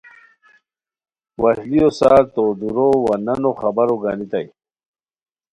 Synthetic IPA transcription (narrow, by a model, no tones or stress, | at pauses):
wahliosat̪od̪uɾowananoχabaɾoɡanit̪aj